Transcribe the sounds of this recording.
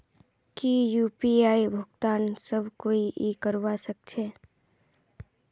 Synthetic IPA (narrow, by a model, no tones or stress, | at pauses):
kijuːpiaːibʱʊɡt̪aːnsəbʱkoːiʔikəɾʋasək̚t͡ʃʰeː